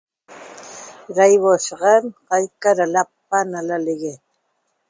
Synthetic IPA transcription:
ɾajwoʃɢɑnqɑjkaɾalap̚ːanalalɪɡe

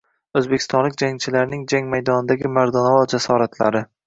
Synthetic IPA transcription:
ɵzbekʲʰɪst̪ɒnlɪk̚ʲd͡ʒaŋt͡ʃʰɪlaɾnɪŋd͡ʒaŋmajd̪ɒnɪd̪aɡʲɪmaɾd̪ɒnɒvɒd͡ʒasɒɾat̪ʰla̰ɾɪ

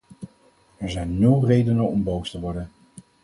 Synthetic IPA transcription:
ɛɹzɛjnːɵlˠrejdənəɔmbowstəʋɔɹdən

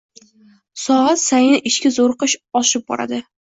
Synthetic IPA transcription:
sɒʁat̪sajnɪʔɪʃkʲazoɾqɨʃɒʃɪp̚bɒ̰ɾa̰d̪ɪ

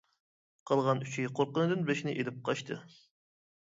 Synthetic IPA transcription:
qʰɑlˠʁɑnyt͡ʃʰiqʰoɾqənɨd̪ɨnbeʃnɪʔelɪp̚qʰɑʃt̪ʰɨ

